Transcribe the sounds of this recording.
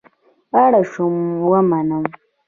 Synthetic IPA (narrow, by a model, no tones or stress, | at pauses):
aɽaʃomwamanam